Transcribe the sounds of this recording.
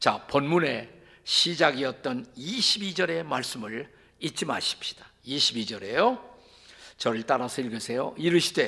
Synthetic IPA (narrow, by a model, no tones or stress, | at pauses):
t͡ɕapʌnmune̞ | ɕʰid͡ʑaɡiʌt̚t͈ʌniɕʰibid͡ʑʌɾe̞maɭs͈ɯmɯɭ | it͡ɕ͈ima̰ɕʰi̥p̚ɕ͈i̥d̥ḁiɕʰibid͡ʑʌɾe̞jo | t͡ɕʌɾɯɭt͈aɾasʰʌiɭɡɯɭsʰe̞jo̰iɾɯɕʰi̥de̞